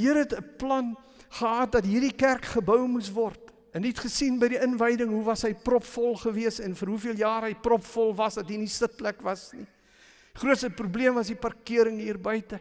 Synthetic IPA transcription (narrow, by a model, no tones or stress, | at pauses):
iəɾɦɛtəplɐn | χəɦɑːt̚dɐtɦiːrdikærkχəbœwmusvɔrt | ɛnːitχəsinbəjdiənvəjdəŋɦuvɐsɦəjprɔpfɔlˠχəviəsɛnfəɾɦufiəlˠjɑːrɦəjprɔpfɔlˠvɐsdɐtɦinisətlækvɐsni | χruətsəprubliəmvɐsdipɐrkiəɾəŋɦiːrbœjtə